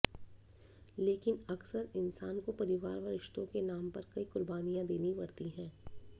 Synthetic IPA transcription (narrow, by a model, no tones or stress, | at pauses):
leːkɪnɐksəɾɪnsaːnkopɐɾɪʋaːɾʋɐɾɪʃt̪õkenaːmpɐɾkɐikʊɾbaːnijãd̪eːnipɐɽt̪iɦɛ̃ː